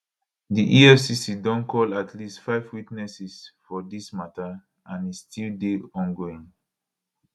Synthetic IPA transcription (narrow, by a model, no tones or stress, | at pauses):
diʔiɛfsisidɔ̃nkʰɔlatʰlistfaɪvwitnɛsisfɔdismata | ãnistʰildeɔ̃nɡoĩŋ